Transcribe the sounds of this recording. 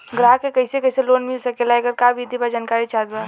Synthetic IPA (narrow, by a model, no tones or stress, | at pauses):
ɡɾaːɦkekɐɪsekɐɪseloːnmɪlsɐkelajɡəɾkabʱid̪ʱibad͡ʒaːnkaːɾit͡ʃad̪a